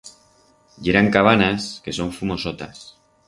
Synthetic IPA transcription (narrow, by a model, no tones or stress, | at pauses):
ɟ͡ʝeɾaŋkaβ̞anaske̞so̞ɱfumo̞sot̪a̰s